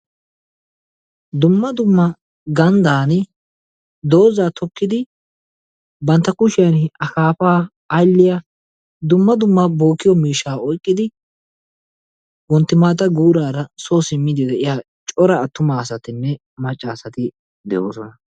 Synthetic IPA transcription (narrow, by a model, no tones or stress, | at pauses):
d̪ʊmːɐd̪ʊmːɐ | ɡɐnd̪aːnɪ | d̪o̞ːzaːt̪ʰɔkːɪd̪ɪ | bɐnt̪ːɐkʊʃɪjɐnɐkaːpaː | jlːɪja | d̪ʊmːɐd̪ʊmːɐbo̞ːkːɪjɔmiːʃaːɔjkʼːɪd̪ɪ | wɔnt̪ːɪmaːt̪̬ɐɡuːɾaːɾɐsoːsɪmːɪd̪ɪd̪ɛʔɪjaː | t͡ʃʼɔɾɐːt̪ːʊmaːsɐt̪ɪnːɛ | mɐt͡ʃʼːasɐt̪ɪ | d̪ɛ̰jo̰ːsɔnɐ